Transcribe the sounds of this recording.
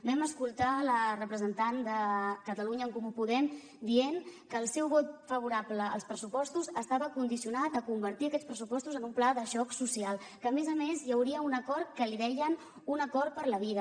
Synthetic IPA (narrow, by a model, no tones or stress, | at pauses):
bɛməskulˠt̪alərəpɾəzənt̪and̪əkət̪əluɲəːŋkumupuðɛm | d̪ienkəːlˠsɛwβɔt̪̚fəβuɾabləːlˠspɾəsupɔst̪uzəst̪aβəkund̪isiunat̪əkumbəɾt̪iəkɛt̪spɾəsupɔst̪uzənumplaðəʃɔksusialˠ | kəːmezəmezjəwɾiəunəkɔrkəliβɛʎən | unəkɔr̚pəɾləβiðə